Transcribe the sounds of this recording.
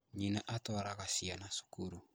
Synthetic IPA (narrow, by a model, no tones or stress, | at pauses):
ɲinaʔatɔɾakasianasu̥kuɾu